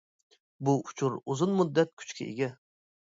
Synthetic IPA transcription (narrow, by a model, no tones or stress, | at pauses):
buʔut͡ʃʰuɾuzʊnmud̪ːɛt̪̚kʲʰy̥t͡ʃkʲɛ̰ḛɡʲɛ